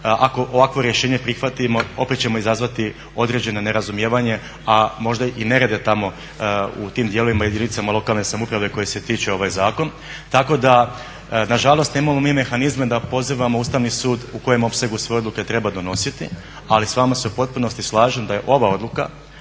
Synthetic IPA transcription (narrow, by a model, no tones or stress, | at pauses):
ʔako̞ʔoʋakʋo̞ɾje̞ʃe̞ːɲe̞pɾixʋat̪imo̞o̞pet̪̚t͡ɕe̞mo̞izazʋat̪i | o̞d̪ɾe̞d͡ʑe̞none̞ɾazumjeːʋaɲe̞ | amo̞ʒd̪aʔine̞ɾed̪et̪amo̞ | ṵt̪iːmd̪je̞loʋimaje̞d̪init̪samalo̞kalˠne̞samupɾaʋe̞ko̞jeset̪iːt͡ʃeo̞ʋajzaːko̞n | t̪ako̞d̪a | naʒalˠost̪neːmamo̞miːme̞xanizmed̪apo̞ziːʋamo̞uːst̪aʋnisuːd̪uko̞je̞mo̞pseaɡusʋe̞o̞d̪luke̞t̪ɾe̞bad̪o̞no̞sit̪ḭ | alisʋamase̞upo̞t̪̚puno̞st̪islˠaːʒemd̪aje̞ʔo̞ʋao̞d̪lˠuka̰